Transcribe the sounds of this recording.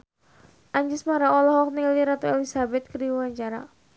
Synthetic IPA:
ʔaɲd͡ʒɪsmaɾaɔlɔhɔk̚niliɾat̪ɔɛlisabɛt̪̚kərdiwuwaɲt͡ʃaɾa̰

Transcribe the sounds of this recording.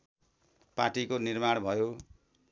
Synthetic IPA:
paʈikonirmaɽ̃bʱʌjo

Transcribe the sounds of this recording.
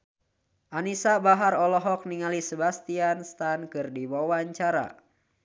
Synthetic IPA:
ʔanisabaɦarɔlɔɦɔk̚niŋalisəbast̪ianst̪ankɨrdiwawaɲt͡ʃaɾa̰

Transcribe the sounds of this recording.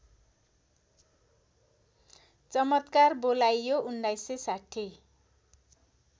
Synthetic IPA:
t͡sʌmʌt̪karbolajjounɖajsesaʈʰi

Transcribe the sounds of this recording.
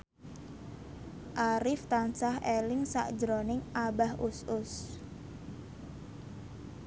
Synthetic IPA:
ʔaɾɪft̪ansaɦelɪŋsa̰ʔd̥d͡ʒɾonɪŋʔabahʊsʊs

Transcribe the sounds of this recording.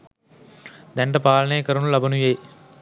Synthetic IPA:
d̪ɛɳʈɐpaːlɐneːkɐɾɐnulɐbɐnujej

